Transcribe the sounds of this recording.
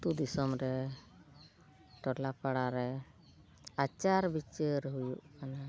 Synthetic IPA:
d̪ud̪isɔmɾɛ | ʈɔlapaɽaɾɛ | at͡ʃaɾbit͡ʃəɾɦujuʔkana

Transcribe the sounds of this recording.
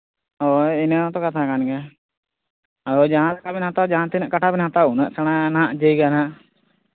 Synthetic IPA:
ɔinaat̪ɔkat̪ʰakanɡɛ | aɾɔd͡ʒaɦãt̪akabɛnɦãt̪ad͡ʒaɦãt̪inaʔkaʈʰabɛnɦãt̪aunəʔsɛɽ̃anãʔd͡ʒəjɡanãʔ

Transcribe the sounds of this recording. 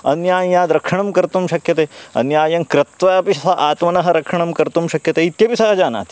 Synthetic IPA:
ɐnjaːjaːd̪ɾɐkʂɐɳɐmkɐɾt̪umʃɐkjɐt̪eːɐ̰njaːjɐmkɾɐt̪ʋɐɐpiɐɦɐʔaːt̪mɐnɐɦɐɾɐkʂɐɳɐmkɐɾt̪umʃɐkjɐt̪eːit̪jɐpisɐɦɐd͡ʒaːna̰ːt̪i̥

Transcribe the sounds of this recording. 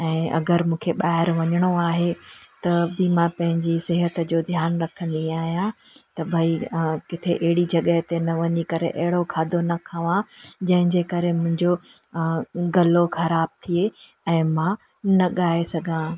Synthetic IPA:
ɛ̃ːɐ̰ɡəɾmũːkʰeɓaːɦɪɾʋɐɲəɽ̃oaːɦet̪ɐbɪmãpɐ̃ɦɪ̃ɲd͡ʑisɪɦət̪d͡ʑoːd̪ʱjaːnɾɐkʰə̃nd̪iaːɦijãt̪ɐbʱaːikɪt̪ʰeʔɐɦɪɽid͡ʑɐɠəɦt̪enɐʋɐɲikɐɾḛʔɐɦɪɽokʰaːd̪ʱonɐkʰɐʋãd͡ʑɐ̃ɦɪ̃ɲd͡ʑekɐɾemʊ̃ɦɪ̃ɲd͡ʑo | ɡɐloxɐɾaːb̚t̪ʰie | ɛ̃ːmãː | nɐɠaːesɐɡʱãː

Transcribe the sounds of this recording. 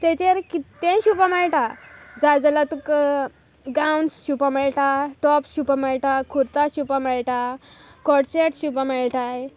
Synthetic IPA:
t̪ẽt͡ɕeɾkit̪ːẽɕupamɛɭʈad͡zajd͡zalat̪uk | ɡawnsɕupameɭʈaʈɔpsɕupameɭʈakʰuɾt̪aɕupameɭʈa | kɔʈt͡ɕeʈɕupameɭʈaj

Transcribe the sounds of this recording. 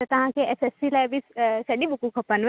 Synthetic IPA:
t̪ɐt̪ɐɦãkeʔesesːilabissɐɖibukukʰɔpanʋ

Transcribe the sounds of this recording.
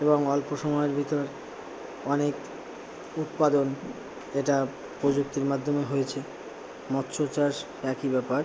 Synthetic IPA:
eboŋɔlpoʃɔmɔeɾbʱit̪oɾ | ɔnek | ut̪̚pad̪on | eʈa | pɾod͡ʑuk̚t̪iɾmad̪ʱːomeɦojet͡ɕʰe | mɔt̪ːɕʰot͡ɕaɾʃbɛkibɛpaɾ

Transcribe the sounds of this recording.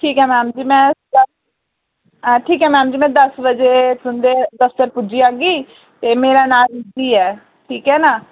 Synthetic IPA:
ʈʰiːkɛːmɛ̃ːmd͡ʒiːmɛ̃ːd̪ə | ʈʰiːkɛːmɛ̃ːmd͡ʒiːmɛ̃ːd̪əsbəd͡ʒeːsʊnd̪eːd̪əft̪əɾpʊd͡ʒiːãːɡiː | t̪eːmeːɾaːnaːlɪnd̪iːɛː | ʈʰiːkɦɛːnaː

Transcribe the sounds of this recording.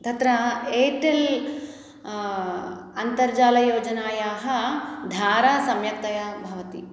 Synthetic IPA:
d̪ʱɐt̪ɾɐeːʈel | ɐnt̪ɐɾd͡ʒaːlɐjoːd͡ʒɐnaːjaːɦɐ̆d̪ʱaːɾaːsɐmjɐk̚t̪ɐjabʱɐʋɐt̪i

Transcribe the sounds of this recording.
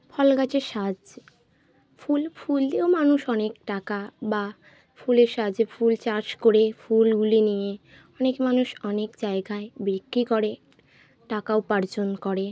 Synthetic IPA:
pʰɔlɡat͡ɕeʃad͡ʑ | fʰulfʰuld̪eomanuʃɔnekʈakaba | fʰuleɾʃad͡ʑefʰult͡ɕaɾʃkoɾefʰulɡulenije | ɔnekmanuʃɔnekd͡ʑaeɡaebikɾikoɾe | ʈakaopaɾd͡ʑonkɔɾe

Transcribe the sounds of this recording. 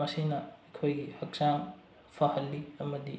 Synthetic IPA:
ɐsinɐɐkʰojɡihɐk̚saŋ | pʰɐhɐlːiɐmɐdi

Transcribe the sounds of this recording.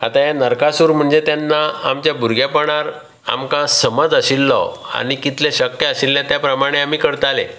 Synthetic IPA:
at̪ajanəɾkasuɾm̤əɳd͡zet̪janːaamt͡ɕjabʱuɾɡjapəɽ̃aɾ | a̰mkãsəməd͡zəɕilːɔ̰a̰ɽ̃ikit̪leɕəkjəaɕilːjãt̪japɾəmaɽ̃eamiːkəɾt̪alḛ

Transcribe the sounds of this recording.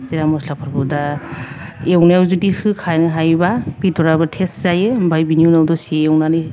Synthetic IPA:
ziɾamɔslapʰaɾbuda | ewnewzudipʰɯkʰajnɯɦajbabidɔɾabatʰeszajɯbajbiniunawdɔsiewnani

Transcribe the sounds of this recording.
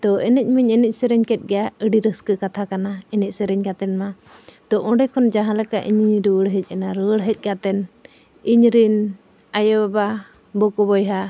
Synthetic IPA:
t̪ɔʔɛnɛc̚ˀmiɲɛnɛc̚sɛɾɛɲkɛt̪̚ɡɛjaəɖiɾəskəkat̪ʰakanaɛnɛc̚ˀsɛɾɛɲkat̪ɛnma | t̪ɔʔɔ̃ɖɛkʰɔnd͡ʒaɦãlɛka̰ʔḭɲiɾəəɽɦɛc̚ˀanaɾəɽɦɛc̚ˀkat̪ɛn | iɲɾin | ajababa | bɔkɔbɔjɦa

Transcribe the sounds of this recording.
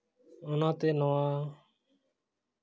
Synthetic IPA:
ʊnãːt̪eːnoːãː

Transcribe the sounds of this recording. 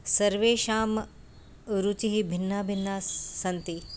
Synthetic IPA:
sɐɾʋeːʃaːm | ɾut͡ʃiɦibʱinːaːbʱinːaːsɐnt̪i

